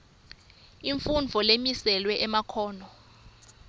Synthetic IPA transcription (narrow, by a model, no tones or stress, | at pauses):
iɱfund͡vʱɔlemisɛlwɛʔɛmakʰɔːnɔ